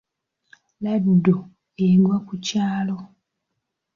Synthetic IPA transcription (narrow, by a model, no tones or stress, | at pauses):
laddo | eɡwakucaːlo̞